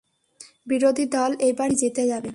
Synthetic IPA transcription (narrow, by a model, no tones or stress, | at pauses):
biɾod̪ʱid̪ɔlejbaɾd͡ʑet̪ed͡ʑabe